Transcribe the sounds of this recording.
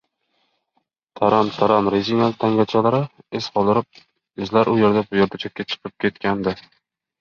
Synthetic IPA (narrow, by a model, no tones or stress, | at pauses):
t̪ʰaɾamt̪ʰaɾamɾeziŋalˠt̪ʰːaŋɡʲat͡ʃʰalaɾɪesqʰɒlˠd̪ɪɾɪp̚ | ɪzlaɾʔʊje̞ɾd̪abʊjeɾd̪at͡ʃʰak̚ʲːat͡ʃʰɨ̥qʰɨp̚kʲʰe̞t̪kʲand̪ɪ